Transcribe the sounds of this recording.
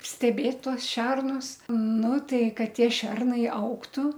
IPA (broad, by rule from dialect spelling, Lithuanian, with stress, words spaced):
sʲtʲɛˈbʲeːt ˈtuɔs ˈʃʲɛrnʊs ˈnʊ ˈtɐɪ ˈkɐt ˈtʲiɛ ˈʃʲɛrnɐɪ ˈɐʊktʊ